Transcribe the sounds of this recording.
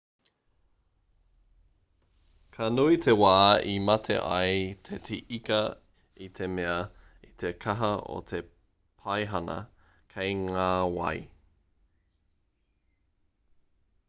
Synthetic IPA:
kʰɐnuit̪ʰewaːimɐtʰḛʔɐ̰jt̪ʰetʰiʔikɐ | it̪ʰemeɐ | it̪ʰekʰɐɦɐo̰t̪ʰe | pʰɐjɦɐnɐ̰ | kʰejŋaːwɐ̰j

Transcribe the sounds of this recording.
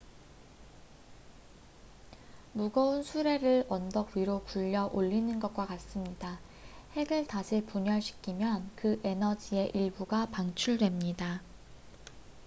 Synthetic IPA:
muɡʌunsʰuɾe̞ɾɯɭʌndʌɡɥiɾokuʎːʌʔoʎːinɯnɡʌt̚k͈wakas͈ɯmɲida | he̞ɡɯɭtaɕʰipuɲʌɭɕʰi̥kʰimjʌnkɯʔe̞nʌd͡ʑie̞ʔiɭbuɡapaŋt͡ɕʰuɭdwe̞mɲida

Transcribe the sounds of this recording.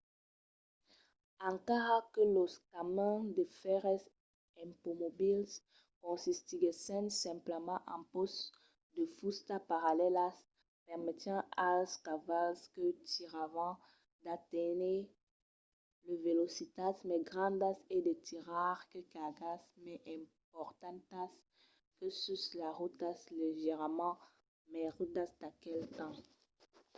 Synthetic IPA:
ɑ̃ŋkaʁakəloskamɛ̃d̪əfɛʁɛs | ɛ̃mpomobils | kɔ̃sist̪iɡesɛ̃nsɛ̃mpləmɑ̃ʔɑ̃pɔs | d̪əfust̪apaʁalɛlas | pɛʁmet̪jɑ̃askavalskət̪iʁavɑ̃ | d̪at̪ɛne | ləvelosit̪asmɛɡʁɑ̃d̪ased̪et̪ʰiʁaʁkəkaɡasmɛʔɛ̃ | p̚ɔʁt̪ɑ̃t̪as | kəsyslaʁut̪asleʒɛʁmɑ̃ | mɛʁut̪asd̪akɛlt̪ɑ̃

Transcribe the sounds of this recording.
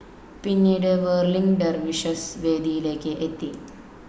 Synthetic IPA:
pinːiːɽeʋəːɾliŋɡɖɐɾʋiʂɐsʋeːd̪ijileːkːeʔet̪ːi

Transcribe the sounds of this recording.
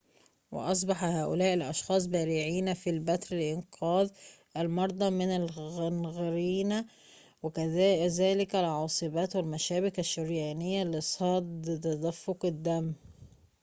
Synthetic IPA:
wɪ̰ʔɑs̬ˤbɑħɑhaːʔʊlæːʔɪlʔɑʃxɑːsˤbæːɾiʕiːnæfiːlbæt̪ɾɪlʔɪnqʰɑːðʔælmɑɾˤd̪ˤɑmɪnalɣɪnɣɪɾiːna | wɪkzæːlɪkælʕɑːsˤɨbæːt̪wɪlmæʃæːbɪkæʃːʊɾjæːnɪjːalɪsˤɑd̪t̪æd̪æfːʊqɪd̪ːæmː

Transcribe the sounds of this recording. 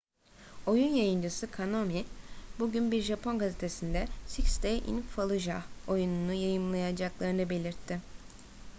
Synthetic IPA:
o̞junjajɯnd͡ʒɯsɯkʰanomibuɟynbiɾʒapʰonɡazet̪ʰe̞sind̪ɛsikst̪ejʔḭnfalˠɯʒao̞jununujajɯmlˠajad͡ʒaklˠaɾɯnɯbe̞lʲiɾt̪ʰːɪ

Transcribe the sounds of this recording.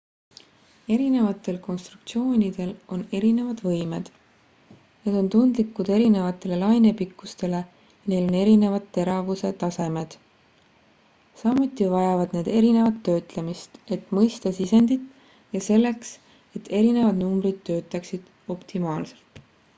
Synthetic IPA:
e̞ɾine̞vɑt̪ːˑe̞lko̞nst̪ɾuk̚t̪sio̞ːnʲid̪̥e̞lo̞ne̞ɾine̞vɑd̪̥vɤjme̞d̪̥ | net̪o̞nt̪und̪likːˑud̪e̞ɾine̞vɑt̪ːˑe̞le̞lɑjnepikːust̪e̞le̞ | jɑne̞jlo̞ne̞ɾine̞vɑd̪ːe̞ɾɑvuse̞t̪ɑse̞me̞d̪̥ | sɑmut̪ˑːivɑjɑvɑd̪̥ne̞ːd̪e̞ɾine̞vɑt̪ːø̞ːt̪lemist̪e̞t̪ˑmɤjst̪ɑsise̞nd̪̥it̪ | jɑse̞lːe̞ks | e̞t̪ːe̞ɾine̞vɑd̪numbɾid̪̥̚t̪ːø̞ːt̪ˑːɑksid̪̥ | o̞pt̪ʰimɑːlse̞̥lt̪

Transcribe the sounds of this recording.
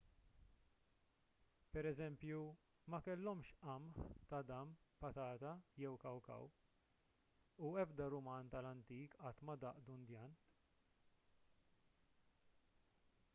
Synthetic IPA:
pɛɾɛzɛmpju | mɐkɛlːɔmʃʔɐmħt̪ɐd̪ɐmpɐt̪ɐːt̪ɐjɛwkɐwkɐ̰w | uɛbd̪ɐɾʊmɐːnt̪ɐlɐnt̪iːkɐt̪ːmɐd̪ɐʔd̪und̪jɐːn

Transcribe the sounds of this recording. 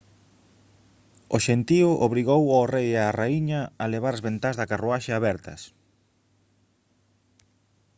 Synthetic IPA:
oʃent̪iʊʔoβɾiɣowaorejaraiɲɐːleβaɾazβent̪azðɐkaruaʃeaβɛɾt̪ɐ̰s

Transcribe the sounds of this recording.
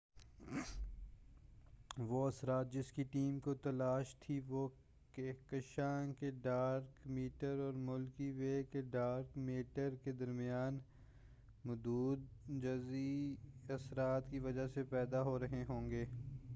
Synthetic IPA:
ʋoɐsɾaːt̪̚d͡ʒɪskiʈiːmkot̪ɐlaːʃt̪ʰiʋo | kekɐʃãːŋkeɖaːɾkmiːʈəɾɔːɾmʊlkiʋeːkeɖaːɾkmeːʈəɾked̪ɐɾmɪjaːn | mʊd̪uːd̪̚d͡ʒɐziɐsɾaːt̪kiʋɐd͡ʒasepɛːd̪aɦoɾɐɦeɦõːŋɡeː

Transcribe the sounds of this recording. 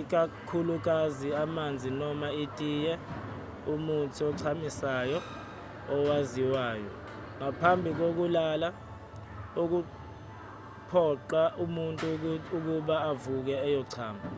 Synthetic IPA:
ik̬akʰuluk̬aziamand͡zʱinɔmaitʼijɛ | umutʰiɔǀʰamisajɔ | ɔwaziwaːjɔ | ŋapʰambʱik̬ok̬ulala | uk̬u | pʰɔǃaʔumuntʼuuk̬uɓaːvuk̬ɛːjɔǀʰaːma

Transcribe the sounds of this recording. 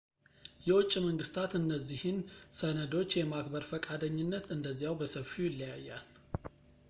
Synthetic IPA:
jɛwɔt͡ʃʼːiməŋɡɨst̪ʰat̪ɨnːəzːihɨnsənəd̪o̞t͡ʃːjɛmakbəɾfəkʼad̪əɲːɪnːət̪ɨnd̪əzːijawbəsəfijɪlːɨjajːa̰l

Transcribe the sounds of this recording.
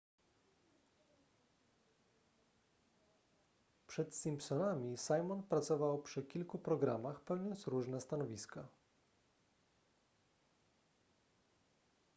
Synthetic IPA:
pʂɛt̪sʲimpsɔnamʲisajmɔnpɾat̪sɔvawpʂɘkʲilkupɾɔɡɾa̰maxpɛwɲɔnt̪sɾuʐnɛst̪anɔvʲiska

